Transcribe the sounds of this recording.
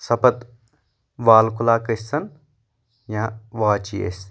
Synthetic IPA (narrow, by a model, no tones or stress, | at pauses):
sɐpɐt̪ | ʋaːlkulaːkɐsɐn | jãʋaːt͡ʃiḛs